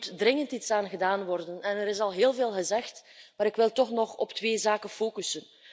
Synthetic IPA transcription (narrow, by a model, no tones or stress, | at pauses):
tdrɪŋəntitsaːnɣədaːnʋɔrdənɛnɛɾɪs̬ɑlˠɦeːlˠveːlˠɣəzɛxtmaːɾɪkʋɪlˠtɔxnɔχɔptʋeːzaːkənfoːkysən